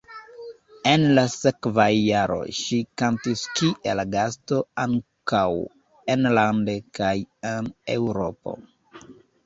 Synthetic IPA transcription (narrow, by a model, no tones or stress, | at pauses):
e̞nlasekvajːaɾo̞̰ʃikantiskiʔelɡasto̞aŋkaw | enlandekajenewɾo̞po̞̰